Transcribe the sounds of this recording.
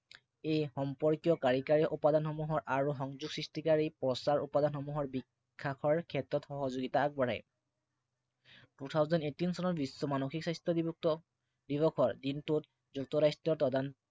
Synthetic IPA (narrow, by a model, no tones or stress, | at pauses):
ejxɔmpɔɹkijɔkaɹikaɹiɔʔupadanxɔmuɦɔɹʔaɹuxɔŋzuɡsɹistikaɹipɹɔsaɹupadanxɔmuɦɔɹbikkʰːakʰɔɹkʰɛtɹɔtxɔɦɔzoɡitaːk̚bɔɹɛ̰j | tutʰawzɔnetinsɔnɔɹbisːɔmanoxiksajstɔdib | dibɔkʰɔɹdintut | zuk̚tɔɾajstɔɹtɔdan